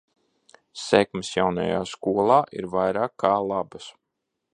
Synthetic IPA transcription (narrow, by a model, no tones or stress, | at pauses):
sɛkmɪsjawna̰ja̰ːskuɔlˠɑːʔiɾvajɾaːkʰːaːlˠabas